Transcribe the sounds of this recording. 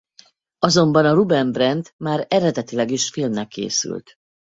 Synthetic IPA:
ɒzo̞mbɒnɒrubɛnbrɛnd̪maːɾɛɾɛd̪ɛt̪ilɛɡiʃfilmnɛkʰːḛːsy̰lt̪

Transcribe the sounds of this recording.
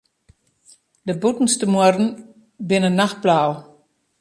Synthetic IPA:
dəbutn̩stəmuərdn̩ | bɪnənːaxt̚blaw

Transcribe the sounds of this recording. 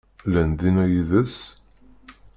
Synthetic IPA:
lænd̪inæjiðəs

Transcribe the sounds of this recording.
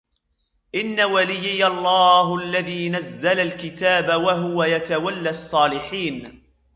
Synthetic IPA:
ʔɪnːawalɪjːɪjɑlˤːɑːɦʔalːaðiːnazːalalkɪt̪aːbawaɦʊwajat̪awalːaɑsˤːɑːlɪħiːn

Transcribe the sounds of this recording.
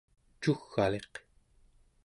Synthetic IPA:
t͡ʃuxːa̰le̞q

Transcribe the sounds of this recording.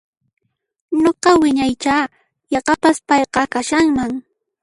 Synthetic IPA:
ɲoqɑwɪɲajt͡ʃaː | jɑqɑpaspɑjqɑkaʃaŋmaŋ

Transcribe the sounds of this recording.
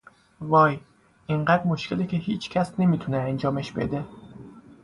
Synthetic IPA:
vɒːj | ʔiɴɢæd̪moʃkʲʰelecʰeɦiːt͡ʃʰcʲʰæsne̞mit̪ʰuneænd͡ʒɒːmeʃbḛd̪e

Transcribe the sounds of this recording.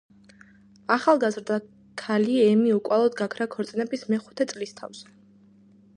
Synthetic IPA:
aχalˠɡazɾd̪a | kʰaliɛmiukʼwalˠɔd̪ɡakʰɾakʰɔɾt̪sʼinɛbismɛχu̥t̪ʰɛt̪sʼlist̪ʰa̰vz̥ɛ

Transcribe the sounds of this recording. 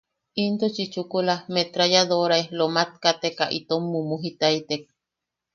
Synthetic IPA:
int̪ot͡ʃit͡ʃukulamet̪ɾajad̪oɾaelomat̪̚kat̪ekaʔḭt̪omːumuɦit̪ait̪ek̚

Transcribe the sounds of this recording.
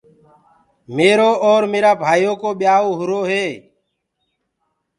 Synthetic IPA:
meːɾoːʔoːɾmeːɾaːbʱaːjoːkoːɓɪjaːoːɦʊɾoːɦeː

